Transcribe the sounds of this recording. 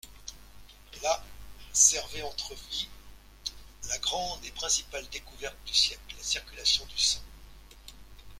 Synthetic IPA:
lasɛʁveɑ̃t̪χəvi | laɡʁɑ̃d̪epχɛ̃si̥pald̪ekuvɛʁt̪̚d̪ysjɛklasiʁkʲylasjɔ̃d̪ysɔ̃

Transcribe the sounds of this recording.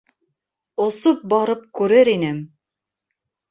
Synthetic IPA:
ŏsop̚bɑɾɤp̚kʉɾɘɾinɘm

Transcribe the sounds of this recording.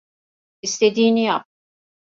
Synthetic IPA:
ɪst̪ɛd̪iːnijab̚

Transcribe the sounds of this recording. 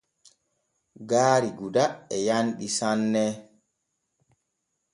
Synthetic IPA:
ɡaːɾiɡudaɛjanɗisanːɛ

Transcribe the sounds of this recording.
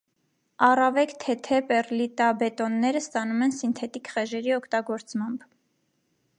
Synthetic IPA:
ɑrɑvɛkt̪ʰɛt̪ʰɛpɛrlit̪ɑbɛt̪ɔnːɛɾəst̪ɑnumɛnsint̪ʰɛt̪ikχɛʒɛɾiɔkʰt̪ɑɡɔɾt͡smɑmb

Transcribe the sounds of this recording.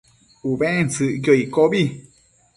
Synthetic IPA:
uβẽẽnsɨʔjoikoβi

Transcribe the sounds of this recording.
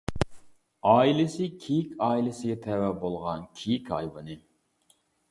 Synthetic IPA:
ɑːilɪsɪkʲʰejikʲɑːilɪsɪɡʲɛt̪ʰɛwɛbolˠʁɑnkʲʰejikʲɑ̰jwɨnɨ

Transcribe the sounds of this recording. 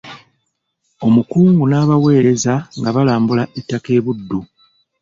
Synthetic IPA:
o̞mukuːŋɡunaːβawe̞ːɾe̞zaŋɡaβalaːmbulaʔetːake̞ːβudːu

